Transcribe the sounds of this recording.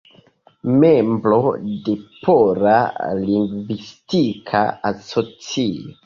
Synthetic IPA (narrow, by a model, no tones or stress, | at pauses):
memblodepʰoɾaliŋɡvistikʰaasot͡sio